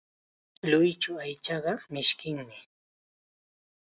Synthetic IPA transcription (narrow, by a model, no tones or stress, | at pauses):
lʊjt͡ʃʊajt͡ʃɑɢɑmɪʃkɪŋmɪ